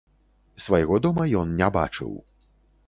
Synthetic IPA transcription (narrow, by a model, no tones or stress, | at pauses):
svajɣɔd̪ɔmɐjɔnnʲɛba̰t͡ʂɨ̰w